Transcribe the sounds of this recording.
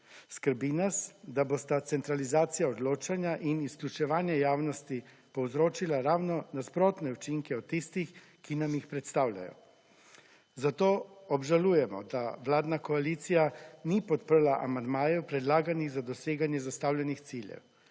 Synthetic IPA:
skəɾbinasd̪aboːst̪at̪sɛnt̪ɾalizaːt̪sijaɔd̪loːt͡ʃanjaʔinisklʲut͡ʃɛʋaːnjɛjaːwnɔst̪i | pɔwzɾoːt͡ʃilaɾaːwnɔnaspɾoːt̪nɛut͡ʃiŋkɛɔt̪ːist̪ix | kinamixpɾɛt̪st̪aːwlʲa̰jɔ̰ | zat̪oːɔbʒalujɛmɔ̰d̪aʋlaːd̪nakɔaliːt̪sijanipɔt̪pərlaʔamand̪maːjɛwpɾɛd̪laːɡaniɣzad̪ɔseːɡanjɛzast̪aːwljɛnixt̪siljɛ̰w

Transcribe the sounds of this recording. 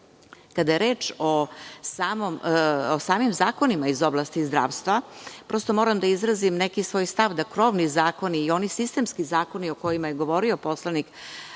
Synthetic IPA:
kad̪ajeɾeːt͡ʃosaːmomosaːmimzaːko̞nimaizo̞blˠast̪izd̪ɾa̰ːʋst̪ʋapɾo̞st̪o̞mo̞ːɾamd̪aizɾazimnekisʋo̞ːjst̪aʋd̪akɾo̞ʋnizaːko̞niːo̞nisist̪e̞mskizaːko̞nio̞ko̞jimajeɡo̞ʋo̞ɾio̞po̞slˠanik

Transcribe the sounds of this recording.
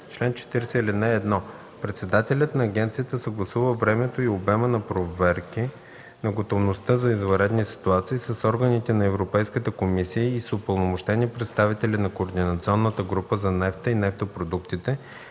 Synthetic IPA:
t͡ʃlɛnt͡ʃɛ̥t̪iɾɛsɛlɛnaɛd̪nɔ | pɾɛt̪sɛd̪at̪ɛlʲət̪nɐːɡʲɛnt̪sijət̪əsəɡlˠɐsuvəvɾɛmɛt̪oiobɛmɛnɐpɾovɛɾki | nɐɡot̪ovnost̪əzɐizvɐɾɛd̪nisi̥t̪uat̪siːsɐsɔɾɡənit̪ɛnɐɛvɾopɛjskət̪əkomisiəisʊpəlˠnomoʃt̪ɛniɛpɾɛt̪st̪avit̪ɛlʲinɐkoːɾd̪inɐt̪siɔnːət̪əɡɾupəzɐnɛft̪əinɛft̪opɾod̪ukt̪it̪ɛ

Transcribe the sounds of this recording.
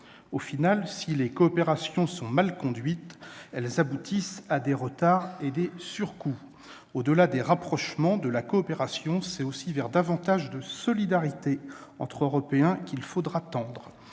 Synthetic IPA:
ofinalsilekɔːpeʁasjɔ̃sɔ̃malkɔ̃d̪ɥit̪ɛlzabut̪ʰisad̪eʁət̪aʁed̪esyʁku | od̪əlad̪eʁapχɔʃmɑ̃d̪əlakɔːpeʁasjɔ̃sɛosivɛʁd̪avɑ̃t̪aʒd̪əsɔlid̪aʁit̪eɑ̃t̪χøʁɔpeɛ̃kʲilfod̪ʁat̪ɑ̃d̪ʁ

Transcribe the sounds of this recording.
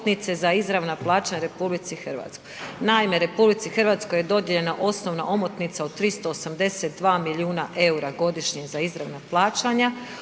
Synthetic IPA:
t̪nit̪sezaizɾaʋnaplˠaːt͡ʃaɲaɾe̞publit̪sixr̩ʋa̰t̪skojnaime̞ɾe̞publit̪sixərʋat̪sko̞jed̪o̞d̪jeʎe̞naʔo̞snoʋnaʔo̞mot̪nit̪saod̪̚t̪ːɾist̪oːsamd̪e̞set̪̚d̪ʋaːmiliuːnaʔe̞uɾaɡo̞d̪iʃɲezaizɾaʋnaplˠaːt͡ʃaɲa

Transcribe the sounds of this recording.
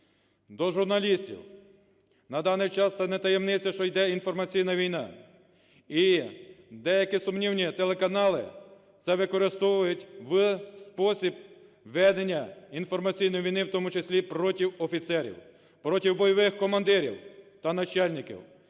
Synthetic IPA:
d̪ɔʒʊrnɐlʲisʲtʲḭw | nɐd̪ɑnɪjt͡ʃɑst̪ɛnɛt̪ɐjemnɪt͡sʲɐʃt͡ʃɔjd̪ɛinfɔrmɐt͡sʲijnɐʋʲijnɑ̰ | i | d̪ɛjɐkisʊmnʲiwnʲit̪elˠekɐnɑlˠɪ̰ | t̪sɛʋɪkɔɾɪst̪ɔʋʊjʊtʲʋspɔsʲib̚ | ʋɛd̪enʲːɐinfɔrmɐt͡sʲijnɔjʋʲijnɪwt̪ɔmʊt͡ʃesʲlʲipɾɔtʲiwɔfʲit̪sɛɾʲḭw | pɾɔtʲiwbɔjɔʋɪxkɔmɐnd̪ɪɾʲḭwt̪ɐnɐt͡ʃɑlʲnʲɪkʲḭw

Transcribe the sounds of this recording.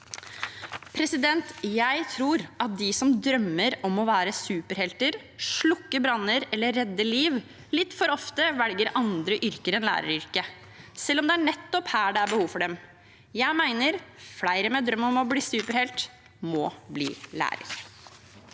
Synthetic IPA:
pʰɾɛsɪd̪ɛnt̪jæɪt̪ʰɾuːɾʔɑt̪̚d̪ɪsɔmd̪ɾœmːəɾɔmɔʋæːɾəsʉːpəɾhɛlt̪əɾ | ʂɭʊkːəbɾɑnːəɾɛlːəɾːɛd̪ːəliːʋ | lɪt̪ːfɔɾɔft̪əʋɛlɡəɾʔɑnd̪ɾəʔʏɾkəɾɛnlæ̰ːɾə̰ɾʏɾkə | sɛlːɔmd̪ɛæɳɛt̪ːɔphæːɖɛæɾbəhuːʋfɔɖɛm | jæɪmæɪnəɾflæɪɾəmɛd̪ɾœmːɔmɔbliːsʉːpəɾhɛlt̪ | mɔːblḭːlæ̰ːɾə̰ɾ

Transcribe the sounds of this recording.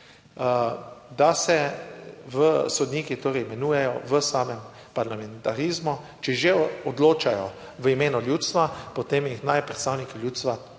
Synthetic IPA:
əd̪asɛ | ʋəsɔd̪niːkit̪oːɾɛjmɛnuːjɛjɔʋəsaːmɛm | paɾlamɛnt̪aɾiːzmut͡ʃɛʒeɔd̪loːt͡ʃajɔ | ʋəimeːnɔljuːt̪st̪ʋapɔt̪emjixnajpɾɛt̪st̪aːwnikiljuːt̪st̪ʋa

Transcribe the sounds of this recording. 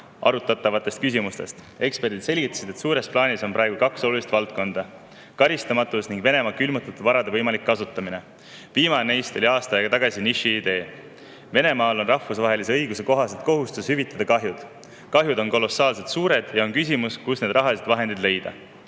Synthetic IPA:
ʔɑ̰ɾut̪ːˑɑt̪ːˑɑvɑt̪ːˑest̪̚kys̬ʲimust̪e̞st̪ | e̞kspe̞rd̪id̪se̞lʲɡit̪ːˑɑ̥sid̪̥e̞t̪suːɾe̞splɑːniso̞npɾɑeɡ̥ukɑkso̞lulist̪vɑlt̪̚ko̞nd̪̥ɑ | kɑɾist̪ɑmɑt̪ːˑusniŋɡ̥ve̞ne̞mɑːkylmut̪ːˑut̪ːˑud̪vɑɾɑd̪e̞vɤjmɑlikːɑsut̪ːˑɑmine̞ | viːmɑnenejst̪o̞lʲiɑːst̪ɑjɑɡɑt̪ɑɡ̥ɑsiniʃiːd̪̥e̞ː | ve̞ne̞mɑːlo̞nrɑhːusvɑɦe̞lis̬e̞ɤjɡ̥use̞ko̞ɦɑset̪̚ko̞ɦust̪ushyvit̪ːˑɑd̪̥ɑkɑɦjud̪̥ | kɑɦjud̪o̞nko̞lo̞sɑːlset̪suːɾe̞d̪̥jɑo̞nkys̬ʲimuskusne̞d̪̥rɑɦɑlised̪vɑɦe̞nd̪id̪le̞jd̪̥ɑ̰

